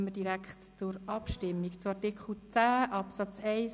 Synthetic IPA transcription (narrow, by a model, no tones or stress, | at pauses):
mːədiɾækχtt͡sʊɾɑpʃtɪmːikt͡sʊɑɾtɪkχl̩t͡sæːʔɑpsɑt͡sɛɪs